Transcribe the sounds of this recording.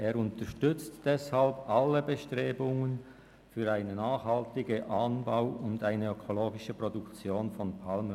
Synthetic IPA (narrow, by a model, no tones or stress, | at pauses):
ʔeːɾʊntəʃtʏt͡std̥ɛshalbʔalːəbəʃtʁeːbʊŋən | fyːɾaɪnənaːχhaltɪɡəʔanbaʊʊndaɪnəøkʰoloːɡɪʃəpʁodukt͡sjoːnfɔnpʰalmə